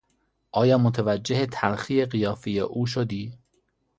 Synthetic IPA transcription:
ʔɒːjɒːmot̪ʰevæd͡ʒːehet̪ʰæɾxiːeɢijɒːfijeʔuːʃ̬od̪iː

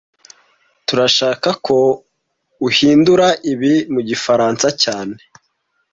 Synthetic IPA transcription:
tuɾaʃaːkakʰo̞ | uhiːnduɾaʔiβimuɟifaɾaːnsacaːne̞

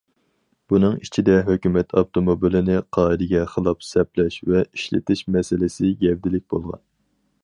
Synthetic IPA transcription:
b̥unɨŋit͡ʃʰid̪ɛɦøkʲymɛt̪ʰɑft̪ʰomobilɪnɪqʰɑːid̪ɪɡʲɛχəlˠɑpsɛplɛʃvɛiʃlɪ̰t̪ʰɪʃmɛsɪlɪsɪɡʲɛvd̪ɪlɪk̚ʲbolˠʁɑ̰n

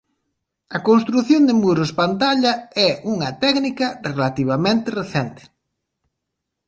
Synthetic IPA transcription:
ɐkonst̪ɾuθjond̪emuɾospant̪aʎɐɛʔuŋɐt̪ɛknikɐrelat̪iβ̞amẽnt̪ɪreθɛnt̪ɪ̥

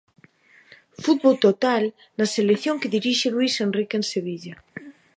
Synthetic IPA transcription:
fut̪̚βolt̪ot̪al | naselekθjoŋkeðiɾiʃelwisenrikenseβ̞iʎa

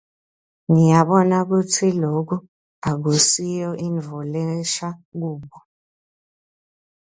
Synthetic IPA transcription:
ŋijaɓɔnak̬utʰilok̬u | ak̬usijɔʔiɱvɔlɛʃak̬uːɓɔ

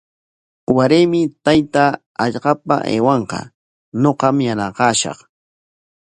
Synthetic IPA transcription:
waɾeːmɪt̪ajt̪aː | ʎɢɑpa̰ʔḛːwɑɴqɑ̰ | noqɑmjanɑqɑːʃɑ̰χ

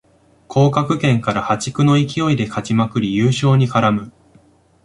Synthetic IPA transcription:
kʰo̞ːkakɯ̟kẽ̞ŋkaɾahat͡ɕi̥kɯ̟no̞ikʲio̞id̪e̞kʰat͡ɕimakɯ̟ɾʲijɯːɕo̞ːɲ̟ikaɾamɯ̟

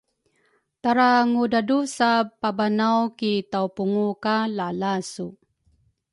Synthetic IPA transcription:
taɾaŋudadusapabanawkitawpuŋukalalasu

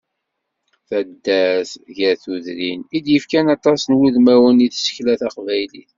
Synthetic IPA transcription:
θæd̪ːæsʝæθuðɾinid̪jəfkænɑt̪ˤɑsənwuðmæwəniðsə̥çlæθɑqvæjlḭθ

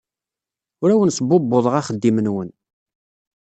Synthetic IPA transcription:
ʊɾæwənsˤəbːobːoðˤʁɑχəd̪ːimənwən

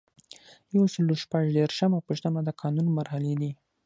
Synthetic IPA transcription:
jawsəloʃpaʒd̪eɾʃəmapəʃt̪amad̪əkʰɑnunmaɾhaled̪i

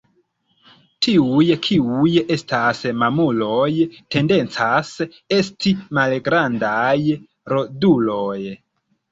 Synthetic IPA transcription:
tʰiujkʰiuje̞stasmamulo̞jte̞nde̞nt͡sas | e̞stimalɡɾandaj | ɾo̞dulo̞j

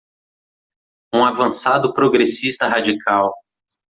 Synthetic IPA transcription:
ũavɐ̃sad̪ʊpɾoɡɾesist̪ɐɦad͡ʒikʰaw

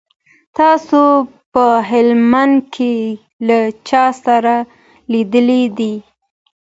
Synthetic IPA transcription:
t̪ɑsopəɦɪlman̚kʰe | lat͡ʃɑsaɾa | lid̪əlid̪i

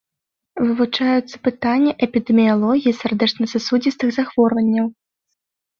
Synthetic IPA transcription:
vɨvut͡ʂajut̪sːɐ̥pɨt̪anʲːɐʔɛpʲid̪ɛmʲijalˠɔɣʲijisʲard̪ɛt͡ʂnɐsasud͡zʲist̪ɨɣzaxv̥ɔrvɐnʲːɐw

